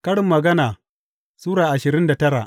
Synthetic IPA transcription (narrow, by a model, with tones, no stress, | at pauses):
kɐ˦ɽɪ˨mːɐ˨ɡɐ˦naː˨ | suː˦ɽaː˨ʔa˨ʃɪ˨ɾɪ˦nda˨tɐ˦ɽa̰ː˨ʔ